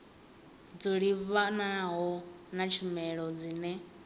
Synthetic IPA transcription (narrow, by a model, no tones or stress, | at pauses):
d͡zoɺiβanaɦɔnat͡ʃʰimɛɺɔd͡ziːnɛ